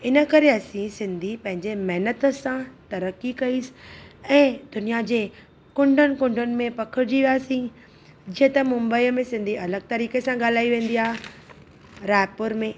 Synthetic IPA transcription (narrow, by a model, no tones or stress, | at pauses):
ɪnə̆kɐɾeɐsĩsɪ̃nd̪ʱipɐ̃ɦɪ̃ɲd͡ʑemɐɦɪnət̪ə̆sãt̪ɐɾəkikɐiːsɛ̃ːd̪̥ʊnijad͡ʑeː | kʊ̃ɳɖʱənɪ̆kʊ̃ɳɖʱənɪ̆mẽpɐkʰɪɾd͡ʑiʋijaːsĩ | d͡ʑiːə̃t̪ɐmʊ̃mbəiːmẽsɪ̃nd̪ʱiʔɐləɡ̚t̪ɐɾiːkesãɠaːl̤aːiʋẽːn̆d̪iaːɦe | ɾaːɪpʊɾmẽ